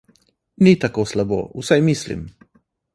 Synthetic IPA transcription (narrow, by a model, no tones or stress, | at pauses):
nit̪akoslabo̰ːusajmislḭm